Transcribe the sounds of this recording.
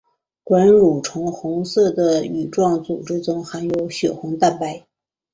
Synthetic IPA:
kwa˧˥nɻu˨˩ʈ͡ʂʰʊ˧˥ŋxʊ˧˥ŋsɤ˥˩d̪ə˩y˨˩ʈ͡ʂwɑ˥˩ŋt͡sṵ˨˩ʈ͡ʂɻ̩˥t͡sʊ˧˥ŋxa˧˥njo˧˥ʊɕɥɛ˨˩xʊ˧˥ŋt̪a˥˩npa˧˥˩ɪ

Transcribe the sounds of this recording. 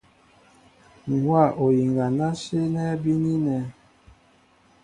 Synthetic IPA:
ŋ̩˨ɡwa˦˨ʔo˨ji˨ŋɡa˨na˦se˦nɛ˦bi˦ni˦nɛ˨˦

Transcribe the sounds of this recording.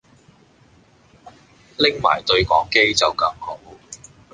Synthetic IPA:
lɪ˥ŋma̰ː˨˩jt̪ɵ˧ɥkʷɔ̰ː˨˥ŋke˥jt͡sɐ˨wkɐ˧mho˨˥w

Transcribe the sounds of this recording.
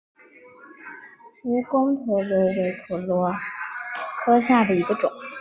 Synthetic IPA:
u˧˥kʊ˥ŋt̪ʰɤ˧˥we˧˥ɪwe˧˥ɪt̪ʰu˨˩lwɔ˧˥ | kʰɤ˥ɕja˥˩d̪ə˩i˧˥ɡə˧ʈ͡ʂʊ̰˨˩˦ŋ

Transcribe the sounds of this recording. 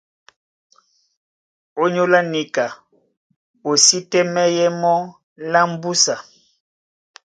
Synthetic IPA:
o˦ɲo˦la˦ni˨ka˨ | o˨si˦tɛ˦mɛ˦jɛ˦mɔ˦ | la˦m̩˦bu˦sa˨

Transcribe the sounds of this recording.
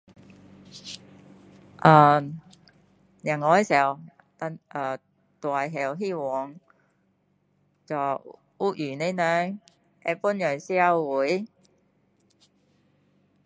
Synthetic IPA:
ʔaː˨˩ | jɐ˨˩ŋɔː˨˧ɛ˥si˨˩ɐ˨w | t̪a˧nʔaː˨˩ | t̪waː˨˩jɦɛː˨wɦiː˥wɔː˨˥ŋ | t͡sɔ˨˩ | u˥k̚jyː˨˩ne˥˧˥nœː˨˧˥ŋ | ɛ̰˧pu˥njœ˨˩si˥ɐ˧wwuː˨˥j

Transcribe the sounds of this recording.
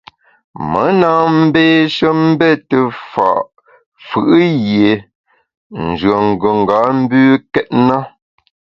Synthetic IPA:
mə˨˦na˦m̩˦beː˦ʃə˦m̩˦bɛ˦˨tə˨fa̰˨ʔ | fɯ˦˨ʔjje˨ | n̩˨d͡ʒɰə˨ŋ˨ɡə˨ŋ̩˨ɡa˨˦m̩˦bʉː˦kɛ˦t̚na˦

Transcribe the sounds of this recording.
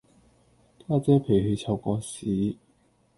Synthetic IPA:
taː˥˩t͡sɛː˥pʰe˨˩jhe˧jt͡sʰɐ˨˧˩wkɔː˧siː˨˥˦

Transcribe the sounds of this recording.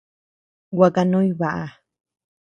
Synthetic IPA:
wa˨ka˧nõ˦jβa˨ʔa˨

